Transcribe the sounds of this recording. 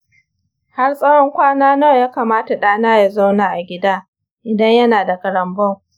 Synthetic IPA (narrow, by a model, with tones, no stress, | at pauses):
ha˦rsʼɐ˦wɔ˦ŋkʷaː˦naː˦noː˦˨jaː˦kaː˨maː˦ta˨ɗaː˦naː˦ja˨za˦wnaː˨ʔa˨ɡʲɪ˦daː˦ | ʔɪ˨dɐ˦ɲjɐ˦naː˨da˨kɐ˨ɽɐ˨mbɔ˦˨ŋ